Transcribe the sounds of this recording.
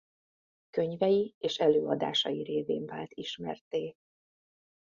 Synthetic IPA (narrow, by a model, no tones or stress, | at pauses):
kø̞ɲvɛjieːʃɛløːɒd̪a̰ːʃɒjiɾeːvḛːɱvaːlt̪iʃmɛ̰rt̪eː